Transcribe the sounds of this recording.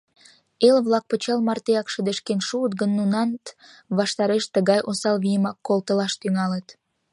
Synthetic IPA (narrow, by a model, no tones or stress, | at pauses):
elβlɑk̚pət͡ɕɑlmɑrt̪eɑkʃəd̪eʃkenʃuət̪̚ɡənːunɑnt̪ | βɑʃt̪ɑɾeʃt̪əɣɑjʔosɑlβijəmɑkːolt̪əlɑʃt̪yŋɑlət̪